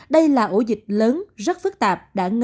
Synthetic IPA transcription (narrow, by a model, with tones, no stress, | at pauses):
ɗə˧jlaː˨˩ʔo˧˩zï˨˩k̟̚ləː˨˦nzə˦˥t̚fɨ˦˥k̚t̪aː˨˩p̚ɗa̰ː˧˥ŋ